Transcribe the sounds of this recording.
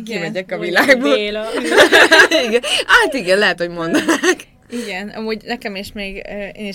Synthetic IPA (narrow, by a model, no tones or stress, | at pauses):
kimɛɟɛkɒvilaːɡboː | iɡɛnat̪iɡɛnlɛɦɛt̪ho̞ɟmo̞nd̪anak | iɡɛnɒ̰muːɟnɛkɛmeːʃmeːɡøḛːniʃ